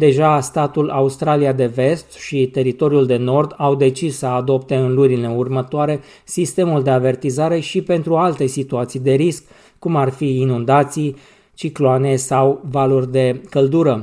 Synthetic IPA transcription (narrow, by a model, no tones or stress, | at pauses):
d̪e̞ʒast̪at̪ulʔaust̪ɾaliad̪e̞ve̞st̪ʃit̪e̞ɾit̪o̞ɾiuld̪e̞no̞rd̪awd̪e̞t͡ʃissəad̪o̞pt̪e̞ɨnlunile̞urmət̪oaɾe̞ | sist̪e̞muld̪e̞ave̞rt̪izaɾe̞ʃipe̞nt̪ɾualt̪e̞sit̪uat̪sijd̪e̞ɾiskː | umarfiːnund̪at̪sij | t͡ʃikloane̞sawvalurʲd̪e̞kəld̪uɾə